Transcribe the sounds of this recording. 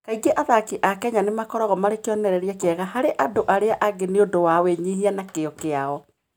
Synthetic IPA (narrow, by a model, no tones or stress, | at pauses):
kaiɡeʔaðakiʔakɛɲanemakɔɾɔɣɔmaɾekeɔnɛɾɛɾeakeɛɣahaɾeʔadoʔaɾeaʔaɡeneodowaweɲihianakeɔkeaɔ